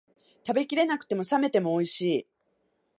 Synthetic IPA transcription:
t̪abe̞kʲiɾe̞nakɯ̟̥t̪e̞mo̞same̞t̪e̞mo̞ːiɕiː

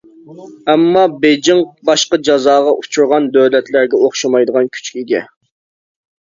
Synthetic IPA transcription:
ɛmːɑbed͡ʒɪŋbɑʃqɑd͡ʒɑzɑːʁɑʔut͡ʃʰuɾʁɑnd̪øwlɛt̪læɾɡʲɛoχʃɑmɑjd̪əʁɑnkʲʰy̥t͡ʃkʲiiɡʲɛ

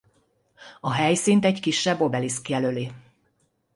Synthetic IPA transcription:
ɒɦɛjsint̪ɛɟkiʃːɛbːo̞bɛliskijɛløːliː

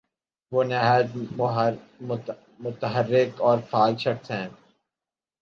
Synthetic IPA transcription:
ʋoːnɛɦaːd͡ʒ | mʊt̪əɦərːɪkɔːɾfaːɡʃɐɾsɦɛ̃ː

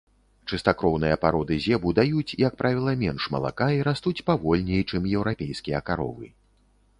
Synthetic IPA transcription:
t͡ʂɨst̪akɾɔwn̪ɨjɐpaɾɔd̪ɨzʲɛbud̪ajut͡sʲijɐk̚pɾʔavʲilˠɐmʲɛnʂmɐ̰lˠa̰kaiɾast̪ut͡sʲpavɔlʲnʲɛjt͡ʂɨmjɛwɾapʲejskʲijɐkaɾɔ̰vɨ̰

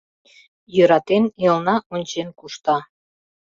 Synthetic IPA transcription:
jøɾɑt̪enilˠnɑonʲt͡ɕenkuʃt̪ɑ

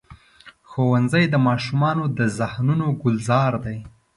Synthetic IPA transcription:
xowanzəjd̪əmɑʃumɑnod̪əzahnunoɡʊlzɑɾd̪aj

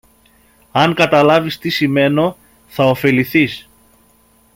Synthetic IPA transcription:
ɐŋkɐt̪ɐlɐvist̪isime̞no̞ | θɐofe̞liθis

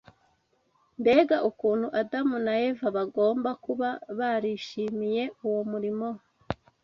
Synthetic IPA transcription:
nde̞ːɡaʔukuːnhuʔadamunaje̞vaβaɡo̞ːmbakuβaβaɾiːʃiːmije̞uwomuɾimo̞

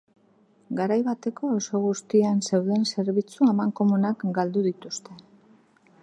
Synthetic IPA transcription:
ɡaɾajβat̪e̞ko̞ːso̞ɣ̞ust̪ianse̞wðe̞nse̞ɾβit͡suamaŋko̞munakɡald̪uðit̪ust̪e̞

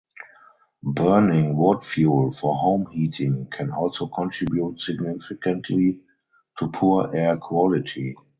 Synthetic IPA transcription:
bɜ˞nɪ̃ŋwɔtfjuːlfɔhõʊ̃mhiːtʰɪ̃ŋkʰɛ̃nɔlsoʊkʰɔ̃ntɹibjutsɪɡnɪfɪkə̃ntʰli | tʰupʰuəʔɛkʰwɔlɪtʰi

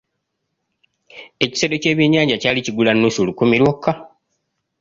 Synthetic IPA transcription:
e̞ci̥sedo̞ce̞ːβjeɲaːɲɟacaːliciɡulanːusolukumiɾwokʰːa

